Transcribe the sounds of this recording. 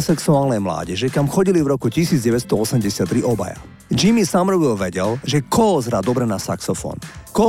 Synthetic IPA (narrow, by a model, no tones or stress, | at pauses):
sɛksuaːlnɛjmla̰ːɟɛʒɛkamxɔɟilivɾɔkucisiːd͡zɟɛʋɛt̪st̪ɔɔsɛmɟɛsɪat̪ːɾiʔɔba̰ja̰ | d͡ʒimisamɾɔʋɛlʋɛɟɛlʒɛkɔɔzɾad̪ɔbɾɛnasaksɔfɔ̰nkɔ